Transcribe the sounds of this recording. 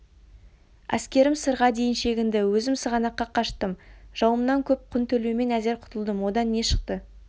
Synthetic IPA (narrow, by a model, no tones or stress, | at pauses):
æ̰skʲe̞ɾɪmsəɾʁɑd̪e̞jɪnʃe̞ɡʲɪnd̪ɪwɵzɪmsəʁɑnɑqːɑqʰɑʃt̪əmʒ̥ɑwəmnɑŋkʲʰɵp̚qʰʊnt̪ʰɵleme̞næze̞ɾqʰʊ̥t̪əlˠd̪əmwo̞d̪ɑnːe̞ʃə̥q̚t̪ə